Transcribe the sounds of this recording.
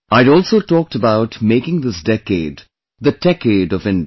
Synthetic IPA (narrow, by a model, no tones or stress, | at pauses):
aɪɾɔːlˠsoʊtɔːk̚təbaʊtmeɪkɪ̃ŋd̪ɪsdɛkeɪd | ðɨdɛkeɪɖʌvɪ̃n